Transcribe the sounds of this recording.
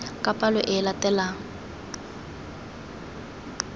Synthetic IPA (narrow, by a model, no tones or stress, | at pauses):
kʼapʼalɔʔɪlatɛlaːŋ